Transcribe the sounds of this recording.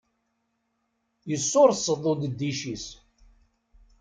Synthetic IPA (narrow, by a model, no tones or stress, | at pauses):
jəsːʊɾˤsˤːəðˤod̪əd̪ːiʃis